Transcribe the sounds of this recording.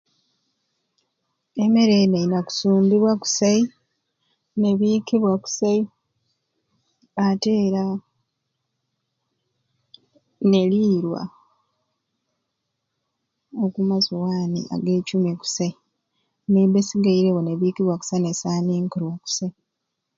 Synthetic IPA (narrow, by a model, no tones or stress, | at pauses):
e̞me̞ɾeneinaku̥suːmbiβwaku̥sai | ne̞βikiβwaku̥sai | ate̞ːɾa | ne̞liːɾwa̰ | okumazowaːnḭʔa̰ɡe̞ːcuːmeku̥sai | nebesiɡaiɾewone̞βiːkiβwaku̥sainesaːniːŋkuɾwaku̥sai